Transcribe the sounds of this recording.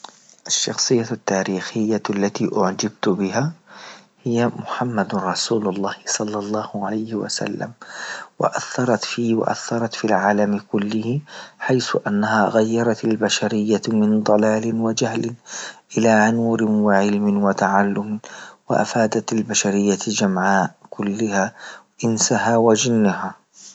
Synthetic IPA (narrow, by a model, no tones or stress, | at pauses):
ʔaʃːɑxsˤɨjːat̪ːaːɾiːxɪjːalːat̪iːʔʊʕd͡ʒab̚t̪bɪɦa | hɪjːamʊħamːad̪ɾˤɑsuːlʊlˤːɑːhɪsˤɑlːɑlˤːɑːhʕalajhɪwa̰sa̰lːa̰mwɪ̰ʔaθːɑɾˤɑt̪fiːwa̰ʔa̰θːɑɾˤɑt̪filʕaːlamkʊlːɪhɪħajθʊʔanːahaɣajːɑɾˤɑt̪albaʃaɾɪjːamɪnd̪ˤɑlaːlɪnwad͡ʒahlɪnʔɪlanuːɾɪwɪʕɪlmɪnwɪt̪aʕalːʊmwɪ̰ʔa̰faːd̪at̪albaʃaɾɪjːad͡ʒamʕaːʔkʰʊlːɪha | ʔɪnsahawad͡ʒɪnːɦaː